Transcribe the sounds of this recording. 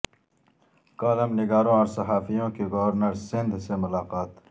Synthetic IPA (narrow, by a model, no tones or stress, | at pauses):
kaːlɐmnɪɡaːɾõɔːɾsɐɦaːfijõkeɡoʋəɾnəɾsɪnd̪ʱsemʊlaːqaːt̪